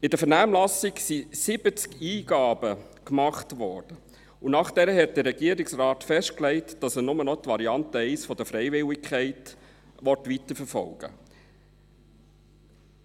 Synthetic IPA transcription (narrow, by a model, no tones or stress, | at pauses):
ɪdəfəɾnæːmlɑsɪksisɪb̥ət͡skiːɡ̥ɑːbə | kmɑχtʋɔɹd̥ə | unɑχd̥ɛɾəɦɛt̚d̥ərɾɛɡiːəɾɪksrɑːtfɛʃtklɛɪtd̥ɑsənʊmənɔt̪ʋɑɾiɑntəɛɪsfɔd̥̪əfɾɛɪvɪlɪkʰχɛɪt | ʋɔtʋitəɾfəɾfɔ̰lɡ̥ə̰